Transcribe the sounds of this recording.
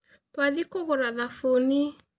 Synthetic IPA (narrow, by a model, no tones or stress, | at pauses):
paðikoɣoɾaðafoni